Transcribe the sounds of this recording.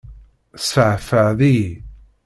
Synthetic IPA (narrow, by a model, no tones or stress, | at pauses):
səʕfəʕði